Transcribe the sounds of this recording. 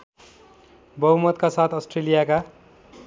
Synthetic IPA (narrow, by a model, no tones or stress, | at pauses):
bʌɦumʌt̪kasat̪ʰʌsʈrelijaka